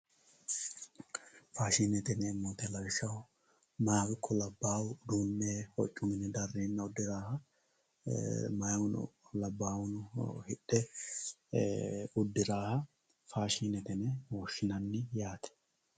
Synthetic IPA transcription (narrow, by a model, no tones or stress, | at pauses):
faːʃiːnɛt̪ɛnɛːmːoːt̪ɛlɐwʃɐw | mɐjaːwɪkʰːɔlɐbːaːwʊd̪uːnːehɔt͡ʃʼːʊmɪnɛd̪ɐrːeːnːɐʊd̪ːɪɾaːhɐ | mɐjwʊnʊ̰lɐbːaːwʊnʊhɪɗːɛ | ʊd̪ːɪɾaːhɐ | faːʃiːnɛt̪ɛnɛwɔʃːɪnɐnːɪjaːt̪ɛ̥